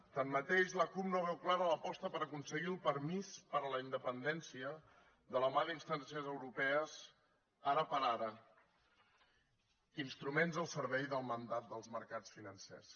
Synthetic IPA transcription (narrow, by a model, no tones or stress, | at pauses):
t̪anmət̪eʃləkupnoβ̞ɛwklaɾələpɔst̪əpəɾəkunsəɣiəlˠpəɾmispəɾələind̪əpənd̪ɛnsiə | ðələmalinst̪ansiəzəwɾupɛəz | aɾəpəɾaɾə | inst̪ɾumenzəlˠsəɾβɛjðəlˠmənd̪at̪̚d̪əlˠzməɾkat͡sfinənsɛ̰s